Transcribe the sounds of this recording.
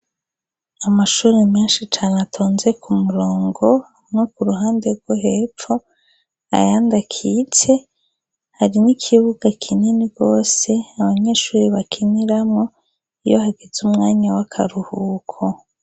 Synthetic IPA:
amaʃuːɾemɲiːnʃit͡ʃaːneatʰoːnze̞kʰumuɾoːŋɡo̞ | nukuɾuɦaːndeɾɡwoɦefo | a̰jaːndakʰit͡se̞ | haɾinikʰiβuɡ̥akʰineniɡ̥o̞ːse̞aβaɲe̞ʃuːɾiβakʰiniɾamŋo̞ | ijohaɡezumŋaːɲawakʰa̰ɾuhuːkʰo

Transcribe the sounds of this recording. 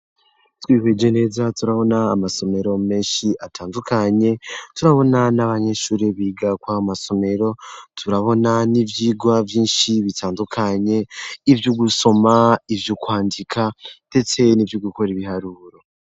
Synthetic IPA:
twiːhwed͡ʒe̞ne̞ːzatuɾaβo̞naːmaso̞me̞ɾo̞me̞ːnʃiʔatʰaːndukʰaɲe̞tuɾaβo̞nanaβaɲe̞ʃuːɾiβiːɡakwaomaso̞me̞ɾo̞tʰuɾaβo̞nanivjiːɡwavjiːnʃiβitʰaːndukʰaɲe̞ivjuɡuso̞maivjukwaːndikʰande̞t͡se̞nivjuɡuko̞ɾiβihaɾuːɾo̞

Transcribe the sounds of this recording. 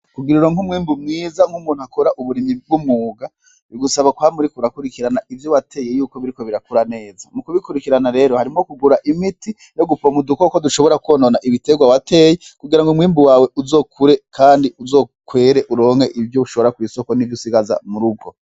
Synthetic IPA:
kuɡiɾuɾoŋumwiːmbumŋiːzaŋhumuːn̥uhakoɾaʔuβuɾimib̚ɡumŋuːɡa | iɡusaβakwamuɾikuɾakuɾikiɾanaivjowatʰe̞jejuːkoβiɾiko̞βiɾakuɾane̞ːzamukuβikuɾikiɾanaɾe̞ːɾohaɾimokuɡuɾaʔimiti | jo̞ɡupomudukokoduʃo̞βo̞ɾakuwononaʔiβite̞ɡwawatʰe̞ːjekuɡiɾaŋɡomwiːmbuwaːwe̞ʔuzo̞ːkʰuɾe̞kʰaːndiuzo̞ːkwe̞ːɾe̞ʔuɾo̞ːŋ̥he̞ʔivjouʃoβoɾakwiːso̞ko̞nivjusiɡaza̰muɾub̚ɡo̞

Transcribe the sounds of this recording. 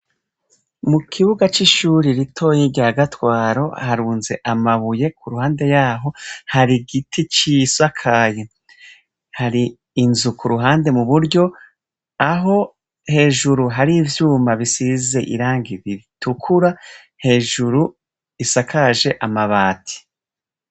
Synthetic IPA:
mukʰiβuɡat͡ʃiʃuːɾiɾitʰo̞ːjiɟaaɡatwaːɾo̞̰haɾuːnze̞ʔamaβuje̞kʰuɾuhaːnde̞jaːɦo̞haɾiɡitʰit͡ʃisakʰaje | haɾiː | nzukuɾuɦaːnde̞muβuɾɟo̞ | aɦo̞ | he̞ːʒuɾuɦaɾivjuːmbaβisize̞ʔḭɾaːŋɡiβitukʰuɾa | he̞ːʒuɾu | isakʰaʒe̞ʔamaβaːtʰi̥

